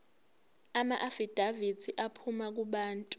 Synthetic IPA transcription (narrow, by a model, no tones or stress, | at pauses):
ama̰ʔafid̥ʱavitʰiʔapʰumak̬uɓaːntʼu